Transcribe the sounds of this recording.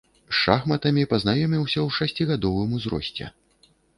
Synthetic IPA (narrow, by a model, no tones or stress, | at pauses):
ʂaxmɐt̪ɐmʲipɐznajɔmʲiwsʲɐwʂasʲt͡sʲiɣad̪ɔvɨmuzɾɔ̰sʲt͡sʲɛ̰